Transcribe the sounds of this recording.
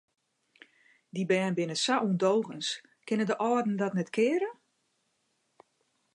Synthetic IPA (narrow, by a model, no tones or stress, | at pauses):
dibɛːnbɪnəsaʔundowɣəns | kɪnədəʔɔːdn̩dɔtnɛtkʰɪːɾə